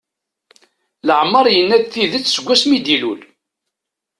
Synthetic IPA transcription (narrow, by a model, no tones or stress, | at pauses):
ləʕmːəɾˤjənːæd̪θiðət͡sːsəɡʷːæsmid̪ilṵl